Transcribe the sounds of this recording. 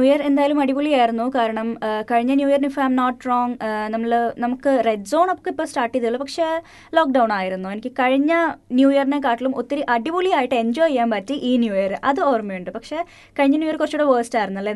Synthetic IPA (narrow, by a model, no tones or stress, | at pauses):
nuːjɐre̞nd̪aːjːlumɐɽibulijaːjiɾunːukaːɾɐɳɐmkɐɻiɲːɐnjuːjɐrinifɐɐjmnoːʈːroːŋɡnɐmːɐɭnɐmukːɨreɖso̞ːɳɐpːkːɐipːoːsʈaːrʈːijɐðiɭːupɐkʂe̞ː | loːk̚ɖɐwɳaːjiɾunːue̞nikʲːɨkɐɻiɲːɐnjuːjɐrine̞kaːʈːilumot̪ːɐɾiʔɐɽibuliaːjiʈːɨe̞ɲd͡ʑo̞ːjɐjaːnpɐtːiʔiːnjuːjɐɾɨʔɐðɨoːrmiuɳɖɨpɐkʂe̞ː | kɐɻiɲːɐnjuːjɐɾkurɐt͡ɕːuːɽeʋəːsʈaːjiɾunuɐlːe